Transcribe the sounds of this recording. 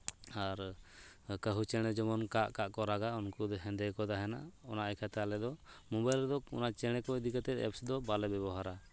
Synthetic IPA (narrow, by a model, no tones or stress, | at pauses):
aɾ | kəɦut͡ʃɛɽ̃ɛd͡ʒɔmɔnkaʔkaʔkɔɾaɡaunkud̪ɔɦɛ̃nd̪ɛkɔd̪aɦɛna̰ʔɔnaʔɛkʰat̪ɛalɛd̪ɔmɔ̃bajlɾɛd̪ɔṵnaʔt͡ʃɛɽ̃ɛkɔid̪ikat̪ɛt̪ɛ̰psd̪ɔbalɛbɛbɔɦaɾa